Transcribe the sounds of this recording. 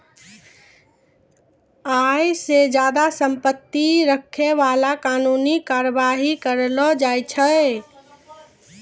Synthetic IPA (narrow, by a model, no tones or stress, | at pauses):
ajsed͡ʒad̪asəmpət̪ːiɾəkʰːeʋalakanunikaɾəbaɦikəɾlɔd͡ʒajt͡ʃʰə